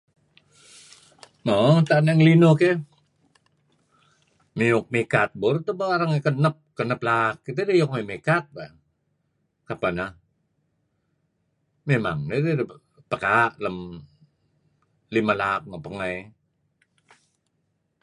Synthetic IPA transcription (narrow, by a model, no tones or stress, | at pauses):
mot̪anaŋlinoke | miʊk̚mekat̪̚boɾt̪əbaaɾaŋkənəp̚kənəplakːit̪edejok̚memekat̪̚ba | kapanah | mema̰ŋneded | pəkaʔləm | limalak̚mapəŋəj